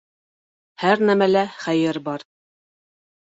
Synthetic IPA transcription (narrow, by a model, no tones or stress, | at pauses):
hæɾnæmælæχæjɘɾbɑɾ